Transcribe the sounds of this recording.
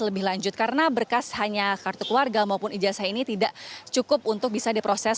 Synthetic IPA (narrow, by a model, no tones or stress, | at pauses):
ləbɪhlaɲd͡ʒʊt̪̚kaɾənabərkashaɲakart̪ukluarɡamaupʊnid͡ʒasahinit̪idaʔt͡ʃukʊp̚unt̪ʊk̚bisadipɾosɛs